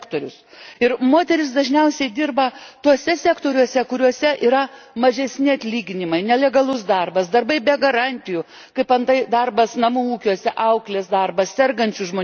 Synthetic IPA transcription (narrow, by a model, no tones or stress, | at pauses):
kt̪oːɾʲʊs | ɪrmoːt̪ʲɛɾʲɪs̬d̪ɐʒʲnʲɛʊsʲɛɪd̪ʲirbɐt̪uɔsʲɛsʲækt̪oːɾʲuɔsʲɛkʊɾʲuɔsʲɛʔiːɾɐmɐʒʲɛsʲnʲɪɐt̪ʲlʲiːɡʲɪnʲɪmɐɪnʲɛlʲɛɡɐlˠʊsd̪ɐrbɐsd̪ɐrbɐɪbʲɛɡɐɾɑnʲt̪ʲɪju | kɐɪpɐnt̪ɐɪd̪ɐrbɐsnɐmuːuːkʲuɔsʲɛʔɐʊklʲeːsd̪ɐrbɐssʲɛrɡɐnʲt͡ʃʲʊʒmoː